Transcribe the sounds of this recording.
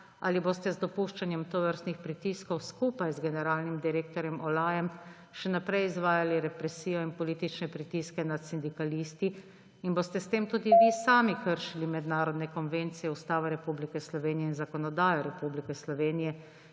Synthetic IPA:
a̰liboːst̪ɛzd̪ɔpuːʃt͡ʃanjɛmt̪oʋəɾst̪nixpɾit̪iskɔwskuːpajzɡɛnɛɾaːlnimd̪iɾeːk̚t̪ɔɾjɛmʔɔlaːjɛm | ʃɛnapɾɛjizʋaːjaliɾɛpɾɛsiːjɔinpɔliːt̪it͡ʃnɛpɾit̪iːskɛnat̪sind̪ikalist̪i | inbost̪ɛst̪eːmt̪uːd̪iʋisaːmikəɾʃilimɛd̪naːɾɔd̪nɛkɔnʋeːnt̪sijɛust̪aːʋɛɾɛpublikɛslɔʋeːnijɛinzakɔnɔd̪aːjɔɾɛpublikɛslɔʋeːnijɛ

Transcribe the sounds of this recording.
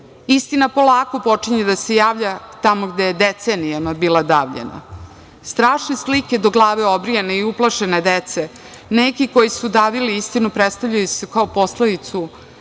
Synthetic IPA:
ist̪inapo̞lˠaːko̞po̞t͡ʂiɲed̪ase̞jaːʋʎat̪amo̞ɡd̪ejed̪et̪senijanabiːlad̪aːʋʎḛna̰ | st̪ɾaːʃneslike̞d̪o̞ɡlˠaːʋeo̞bɾijene̞iuplˠaʃe̞ne̞d̪et̪se | nekiko̞jisud̪aːʋiliist̪inupɾet̪st̪avʎajusekaopo̞sled̪it̪su

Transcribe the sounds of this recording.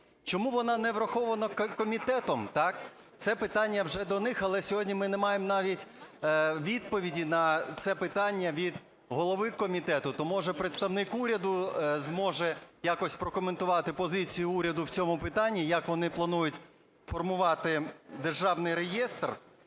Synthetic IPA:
t͡ʃɔmuʋɔnɑnɛʋɾɐxɔʋɐnɐkkɔmʲit̪ɛt̪ɔmt̪ɑk | t̪sɛpɪt̪ɑnʲːɐwʒɛd̪ɔnɪxɐlˠɛsʲɔɦɔdʲnʲimɪnɛmɑjemnɑʋʲitʲ | ʋʲid̪̚pɔʋʲidʲinɐt̪sɛpɪt̪ɑnʲːɐʋʲid̪ | ɦɔlˠɔʋɪkɔmʲit̪ɛt̪ʊt̪ɔmuʒɛpɾet̪st̪ɐwnɪkuɾʲɐd̪ʊzmɔʒɛjakɔsʲpɾɔkɔment̪ʊʋɑt̪ɪpɔzɪt͡sʲijʊuɾʲɐd̪ʊwt͡sʲɔmʊpɪt̪ɑnʲːijɐkʋɔnɪplˠɐnujʊtʲ | fɔrmʊʋɑt̪ɪd̪erʒɑwnɪjɾejɛst̪r

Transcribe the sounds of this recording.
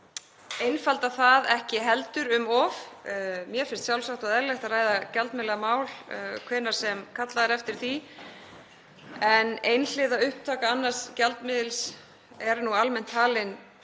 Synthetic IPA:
ejnfalt̪aθaðɛhcɪɦɛlt̪ʏɾʏmɔvmjɛɾfɪn̥st̪sjawlsaxt̪aðɛɾlɛht̪araːjðacalt̪mɪːlɛɣamaːwlkʰvɛːnaɾ̥sɛmkʰat̪laðɛɾɛft̪ɪɾ̥θi | ɛnejnl̥ɪːðaʏhp̚t̪ʰaːkaanːaɾ̥scɛlt̪mɪðɪls | ɛɾnualmɛn̥t̪ʰːaːlɪn

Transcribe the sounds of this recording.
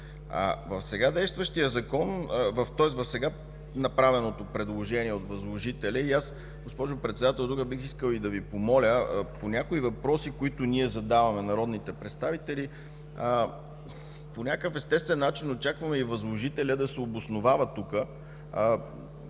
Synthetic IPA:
a̰vɐfsɛɡad̪ɛjst̪vəʃt̪ijəzɐkɔnvɐft̪ɔɛsvɐfsɛɡa | nɐpɾavɛnot̪opɾɛd̪lˠoʒɛniɛot̪vɐzlˠoʒit̪ɛlʲəias | ɡospɔʒʊpɾɛt̪sɛd̪at̪ɛlˠd̪ukəbixiskəlˠid̪ɐvipomɔlʲəponʲakoivɐpɾɔsikoit̪ʊnʲiɛzɐd̪avɐmɛnɐɾɔd̪nit̪ɛpɾɛt̪st̪avit̪ɛli | ponʲakəfɛst̪ɛst̪vɛnːat͡ʃinot͡ʃakvɐmɛivɐzlˠoʒit̪ɛlʲəd̪ɐsɛobʊsnʊvavət̪ukə

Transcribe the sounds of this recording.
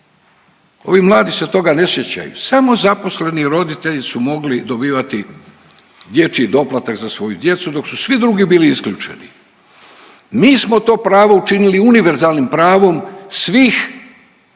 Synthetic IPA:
o̞̰ʋimlˠaːd̪iset̪o̞ɡane̞sje̞t͡ɕa̰jṵsamo̞zapo̞sle̞niɾo̞d̪it̪e̞ʎisumo̞ɡlid̪o̞biːʋat̪i | d̪je̞t͡ʃid̪o̞plˠat̪akzasʋo̞jud̪je̞t̪sud̪o̞ksusʋid̪ɾuɡibiːliiskʎuːt͡ʃe̞̰ni | miːsmo̞t̪o̞ːpɾaːʋout͡ʃiniliuniʋe̞ɾzaːlnimpɾaːʋo̞msʋiːx

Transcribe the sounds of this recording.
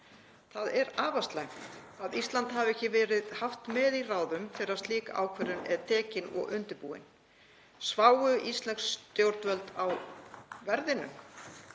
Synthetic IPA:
θaðɛɾaːvast̪lajmaðist̪lant̪havɛhcɪvɛːɾɪðhaft̪mɛðiraːwðʏmθɛːɾɪɾaðst̪liːka̰ʔa̰ːwkʰvɛɾʏnɛðt̪ʰɛːcɪnɔ̰ɣʏnt̪ʏpuːɪ̰n | svaːwʏʔist̪lɛkst̪jowɾt̪vœlt̪awvɛɾðɪnʏ̰m

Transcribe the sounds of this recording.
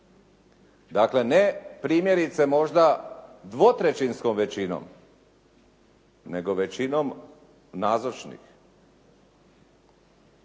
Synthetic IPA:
d̪akle̞nepɾiːmje̞ɾit̪se̞mo̞ʒd̪ad̪ʋot̪ɾet͡ʃinskomʋet͡ɕino̰m | ne̞ɡo̞ʋe̞t͡ɕinom | naːzot͡ʃnḭx

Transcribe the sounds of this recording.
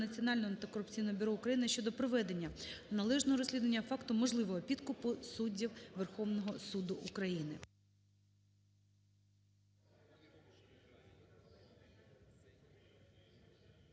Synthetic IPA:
nɐt͡sʲiɔnɑlʲnɔɔɐnt̪ɪkɔɾʊp̚t͡sʲijnɔɦɔbʲʊɾɔʊkɾɐjinɪʃʲt͡ʃɔd̪ɔpɾɔʋɛd̪e̞nʲːɐnɐlˠɛʒnɔɦɔɾɔsʲlʲid̪ʋɐnʲːɐfɑkt̪ʊmɔʒlˠɪʋɔɦɔpʲid̪kʊpʊsudʲːiwʋerxɔʋnɔɦɔsud̪ʊʔʊkɾɐjinɪ

